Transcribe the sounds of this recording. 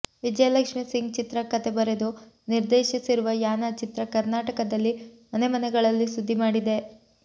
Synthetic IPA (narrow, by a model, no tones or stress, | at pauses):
ʋid͡ʒɐjɐlɐkʂmisiŋɡt͡ʃit̪ɾɐkɐt̪ebɐɾed̪u | niɾd̪eːʃisiɾuʋɐjaːnɐt͡ʃit̪ɾɐkɐɾnaːʈɐkɐd̪ɐlːimɐnemɐnɛɡɐɭɐlːisud̪ʱːimaːɽid̪e̞